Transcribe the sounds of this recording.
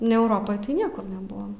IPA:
nʲɛ ɛʊˈroːpoːj tɐɪ ˈnʲiɛkʊr nʲɛˈbʊʋoːm

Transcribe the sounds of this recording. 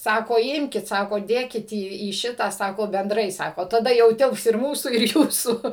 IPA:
ˈsɑːkoː ˈɪmʲkʲɪt ˈsɑːkoː ˈdʲeːkʲɪt iː iː ˈʃʲɪtɑː ˈsɑːkoː bʲɛnˈdrɐɪ ˈsɑːkoː tɐˈdɐ jɛʊ ˈtʲɪlˠps ɪr ˈmuːsuː ɪr ˈjuːsuː

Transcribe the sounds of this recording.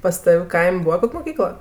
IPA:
pɐs ˈtɐw ˈkɐɪmʲ ˈbuːʋɐ ˈkoːkʲ moːˈkʲiːklˠɐ

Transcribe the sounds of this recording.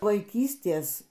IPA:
ʋɐɪˈkʲiːsʲtʲeːs

